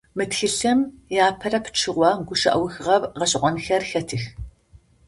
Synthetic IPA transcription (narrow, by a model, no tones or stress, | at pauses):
mɨtxɨɬɐmjaːpʰɐrɐpʰʈ͡ʂʰɨʁʷɑːɡʷʊʃɐ̰ʔɐ̰wxɨʁɐrʁɐɕʼɪqʷɔnxɐrxɐtʰɨx